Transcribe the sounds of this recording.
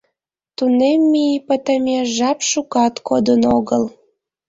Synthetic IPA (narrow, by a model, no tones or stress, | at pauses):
t̪unemːipət̪əmʲeʒɑpʃukɑt̪kod̪ənoɣəl